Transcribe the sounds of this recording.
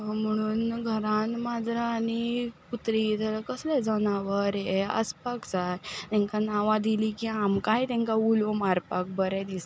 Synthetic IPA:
m̤əɽ̃uːnɡʱəɾãnmad͡zʱɾaːniput̪ɾit̪ələkəslɛd͡zəñaʋəɾjeə̰spakd͡zajt̪ɛ̃ŋkanaʋãd̪ilikiamkajt̪ɛ̃ŋkaulomaɾpak̚bəɾɛd̪is

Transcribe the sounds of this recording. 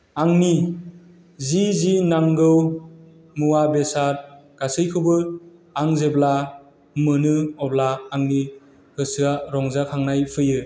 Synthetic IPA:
aŋni | zizinaŋɡɯw | muwabesaɾɡ̥asɯjkʰɯbɯaŋzebla | mɯnɯɔblaːŋni | hɯsɯaɾɔŋzakʰaŋnajpʰɯjɯ

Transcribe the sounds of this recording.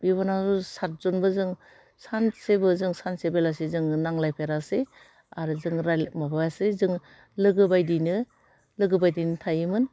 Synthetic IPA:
biβanazusat̚zɔnbɯzɯŋ | sansebɯzɯŋsansebelasezɯŋnaŋlajpʰeɾase | aɾɯzɯŋɾajlmabajasezɯŋ | lɯɡɯbajdinɯ | lɯɡɯbajdinɯtʰajɯmɯn

